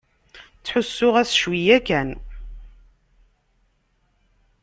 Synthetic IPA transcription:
t͡sːħʊsːʊʁæsʃwijækæn

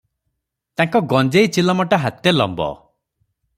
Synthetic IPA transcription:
t̪aŋkɔɡɔnd͡ʒejt͡ʃilɔmɔʈaɦat̪elɔ̰mbɔ̰

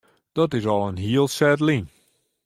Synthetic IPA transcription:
d̥ɔtɪsɔlˠənɦiəlˠsɛdlin

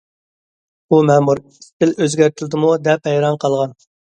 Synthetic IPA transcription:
umɛmuɾist̪ɪløzɡʲæɾt̪ʰɪlɪd̪ɪmud̪ɛphɛjɾɑnqʰɑlˠʁɑn

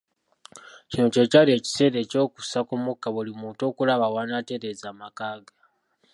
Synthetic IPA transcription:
cino̞ce̞calie̞ːci̥se̞ːɾe̞ːco̞ːku̥sakumukːaβulimuːnto̞ːkulaβawanate̞ɾe̞zaːmakaːɡa

